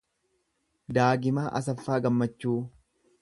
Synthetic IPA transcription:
d̪aːɡɪmaːʔɐ̰sɐfːaːɡɐmːɐt͡ʃːuː

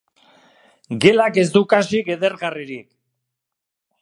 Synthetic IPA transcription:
ɡe̞lake̞zd̪ukasike̞ðeɾɣariɾik

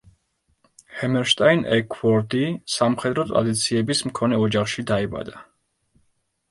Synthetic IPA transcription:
hɛmɛɾʃt̪ʼainɛ̰kʰwɔɾd̪isamχɛd̪ɾɔt̪ʼɾa̰d̪it̪sʰiɛbismkʰɔnɛɔd͡ʒaχʃid̪aɛba̰d̪a

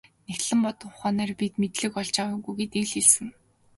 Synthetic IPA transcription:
next̪ɮɘ̆mpɔt̪ɞ̆ɴʊχaːnæːrpit̪met̪ɮɘ̆kɔɮt͡ɕawʊ̆ŋɡujɡet̪ĭɮeɮsɘ̆n

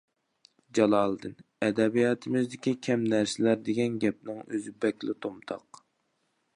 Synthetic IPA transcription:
d͡ʒɑlˠɑːlˠd̪ɨnɛd̪ɛbijɑt̪ʰɨmɪzd̪ɪkʲikʲʰɛmnæɾsɪlæɾd̪eɡʲɛnɡʲɛp̚nɪŋø̰zɪbɛkʲlɪt̪ʰomt̪ʰɑ̰q

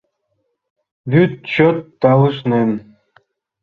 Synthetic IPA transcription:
βyt̪̚t͡ɕot̪ːɑlɯʃnen

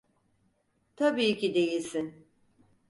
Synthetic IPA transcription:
t̪ʰabiːcid̪e̞jilʲsin

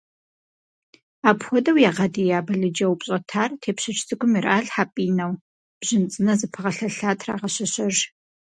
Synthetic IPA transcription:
aːpxʷɔdɐwjaːʁɐdijaːbɐɮɨd͡ʒɐwpɕʼɐtʰaːrtʰeːpɕɪt͡ʃʰʼsʰɨkʷʰʼʊmiraːɮħaːpʼiːnɐw | b̥ʑ̥ɪnt͡sʼɨnɐzɨpʰɨʁɐɬɐɬaːtʰra̰ːʁɐɕɐɕɐʒ

